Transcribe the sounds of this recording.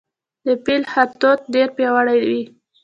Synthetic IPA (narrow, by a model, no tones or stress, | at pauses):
d̪əpilhab̚t̪ot̪̚ɖeɾpjawaɽajwi